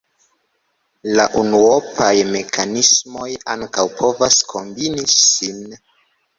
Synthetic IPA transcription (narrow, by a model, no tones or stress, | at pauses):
laʔunuopajme̞kʰanismo̞jaŋkawpʰo̞vaskʰo̞mbinisin